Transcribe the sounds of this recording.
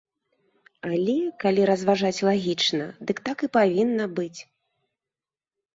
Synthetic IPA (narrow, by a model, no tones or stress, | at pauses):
alʲɛkalʲiɾɐzvaʐat͡sʲlˠaɣʲit͡ʂnɐ̰d̪ɨkt̪akɨpavʲinːɐbɨt͡sʲ